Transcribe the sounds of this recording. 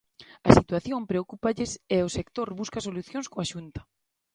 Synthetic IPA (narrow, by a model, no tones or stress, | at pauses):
ɐsit̪waθjompɾeokupaʎɪseosekt̪oɾβuskasoluθjonskoaʃunt̪ɐ̥